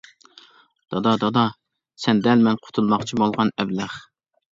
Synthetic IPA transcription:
d̪̥ɑd̪ɑd̪ɑd̪ɑ | sɛnd̪ɛlmɛnqʰʊ̥t̪ʰulˠmɑχt͡ʃʰimɑlˠʁɑnɛblæχ

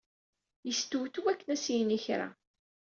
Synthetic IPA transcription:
jəst̪uwθuwækːənæsijniçɾa̰

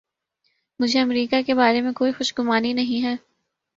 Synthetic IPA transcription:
mʊd͡ʒʱeɐmɾiːkakebaːɾemẽkoːixʊʃɡʊmaːninɐɦĩɦɛː

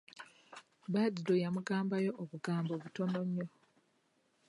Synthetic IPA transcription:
baːdidojamuɡaːmbajo̞ʔːβuɡaːmboβuto̞noɲːo

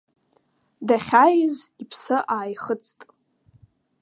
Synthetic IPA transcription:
daχʲajɪzipʰsɨʔaːjχət͡sʰtʼ

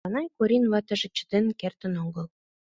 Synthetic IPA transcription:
ɑnɑjkuɾʲinβɑt̪ə̆ʒĕt͡ɕə̥̆d̪enkert̪ə̆noŋɡə̆l

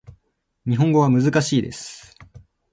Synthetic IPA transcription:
ɲ̟iɦõŋɡo̞βamɯ̟zɨkaɕiːd̪e̞̰sɨ̥

